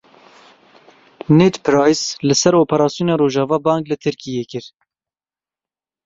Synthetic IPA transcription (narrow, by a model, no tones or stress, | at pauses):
net̪pʰɾɑːjslɨsɛɾoːpʰɛɾɑːsijoːnɑːɾoːʒɑːvɑːbɑːŋklɨt̪ʰɨɾkijeːkɨɾ